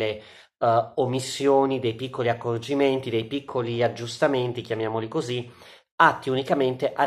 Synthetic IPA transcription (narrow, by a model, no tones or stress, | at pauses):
e | omːisːjoːnid̪ejpikʰːoliakːord͡ʒiment̪id̪ejpikʰːoliad͡ʒːust̪ament̪ikjamjaːmolikozi | at̪ːiunikament̪eʔa